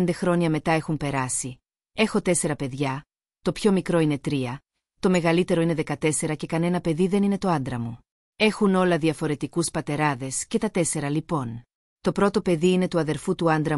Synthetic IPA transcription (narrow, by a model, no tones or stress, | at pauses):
nd̪e̞xɾo̞ɲɐme̞t̪ɐe̞xumpe̞ɾɐsi | e̞xo̞t̪e̞se̞ɾɐpe̞ðʝɐ | t̪o̞pço̞mikɾo̞ine̞t̪ɾiɐ | t̪o̞me̞ɣɐlit̪e̞ɾo̞ine̞ðe̞kɐt̪e̞se̞ɾɐce̞kɐne̞nɐpe̞ðiðe̞nine̞t̪o̞ɐnd̪ɾɐmu | e̞xuno̞lɐðiɐfo̞ɾe̞t̪ikuspɐt̪e̞ɾɐðe̞sce̞t̪ɐt̪e̞se̞ɾɐlipo̞n | t̪o̞pɾo̞t̪o̞pe̞ðiine̞t̪uɐðe̞ɾfut̪uɐnd̪ɾɐ